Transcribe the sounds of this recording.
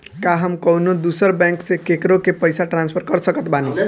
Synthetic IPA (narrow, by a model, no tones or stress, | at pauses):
kaɦəmkɔɦnod̪usəɾbɛ̃ŋksekekɾokepəjsaʈɾanspʰəɾkəɾsəkət̪banu